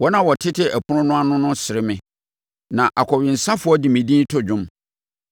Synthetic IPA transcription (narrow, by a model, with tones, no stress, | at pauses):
wɔ˦nã˦wɔ˨tʰɪ˦tʰɪ˦ʔæ˨pʰʊ˦ɾʊ̃˦nʊ̃˦a˦nʊ̃˦nʊ̃˦sɪ˨ɾɪ˦mɪ̃˨ | nã˨ʔa˨kʰɔ˨ɥɪ˨n̩˨sa˦fʊ˨˦ɔ˦dɪ˨mĩ˨dĩ˦n˦tʰʊ˦d͡ʑᶣʊ̃˦m